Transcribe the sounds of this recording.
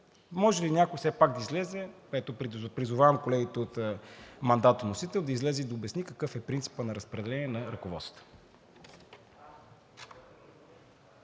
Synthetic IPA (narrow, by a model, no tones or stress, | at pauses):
mɔʒɛlinʲakojfsɛpakɡ̚d̪ɐizlɛzɛpɛt̪oppɾizʊvavɐmkolɛɡit̪ɛot̪mɐnd̪at̪ənosit̪ɛlˠd̪ɐizlɛzɛid̪ɐobɛsnikəkɤfɛpɾint̪si̥pənɐɾəspɾɛd̪ɛlɛnʲiɛnɐɾɐkovɔ̰t̪sə̥t̪ə̥